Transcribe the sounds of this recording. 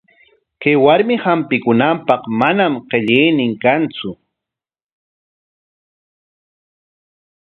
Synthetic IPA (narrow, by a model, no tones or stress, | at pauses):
kajwaɾmɪhampɪkʊnampɑχmanamɢeʎɪjnɪŋkant͡sʊ